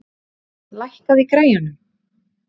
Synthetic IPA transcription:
lajhkaðikɾaːjanʏm

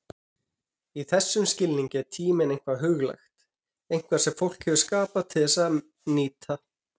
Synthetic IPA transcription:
iθɛsːʏmscɪlniɲcɛɾt̪ʰiːmɪnejŋ̥kvaðɦʏɣla̰jxt̪ | ejŋ̥kvasɛmfowl̥khɛvʏskaːpat̪ʰɪðθɛsað | niːt̪ʰa

